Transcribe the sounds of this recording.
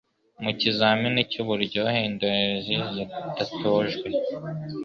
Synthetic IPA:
mucizaminicuβuɾɟoheːndoeʒizid̥atʰoʒɡwe

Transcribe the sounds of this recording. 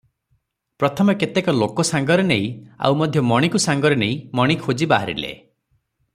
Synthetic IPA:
pɾɔt̪ʰɔmɔket̪ekɔlokɔsaŋɡɔɾeneĩa̰wmɔd̪ʱjɔmɔɽ̃ikusaŋɡɔɾɔneĩmɔɽ̃ikʰod͡ʒibaɦaɾḭlḛ

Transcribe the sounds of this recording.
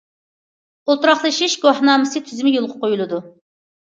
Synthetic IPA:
olˠt̪ɾɑχlˠɨʃiʃɡoħnɑːmɨsɨt̪ʰyzɪmɪjolˠʁʰəqojulˠɨd̪u

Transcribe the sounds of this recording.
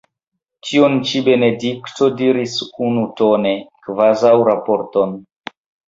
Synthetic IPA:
t͡ʃiont͡ʃibe̞ne̞dikto̞diɾisunutone̞kvazawɾapoɾton

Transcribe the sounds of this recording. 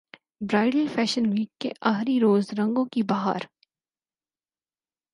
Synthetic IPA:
bɾaːɪɖəlfɛːʃənliːɡ̚kːeʔaːɦɾiɾoːzɾɐ̃ŋɡõkibaːɦa̰ɾ

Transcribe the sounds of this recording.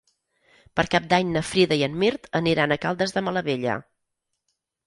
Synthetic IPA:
pəɾkap̚d̪aɲnəfɾiðəiənmiɾt̪əniɾanəkalˠd̪əzðəmələβeʎə̰

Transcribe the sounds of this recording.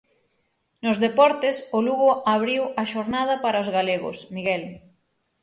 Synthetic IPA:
nʊzðepɔɾt̪ɪsʊluɣʊʔaβ̞ɾiwɐʃoɾnaðɐpaɾɐozɣaleɣʊ̰smiɣɛl

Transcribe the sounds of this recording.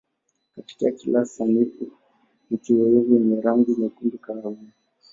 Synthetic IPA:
kati̥kakilasaniku | m̩tiwɛɾivijɛɲɛɾaŋɡinakundikaːuni

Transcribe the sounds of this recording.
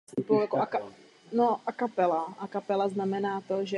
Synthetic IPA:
upojakoʔaka | noʔakapɛlaʔakapɛlaznamɛnaːt̪oʒɛ

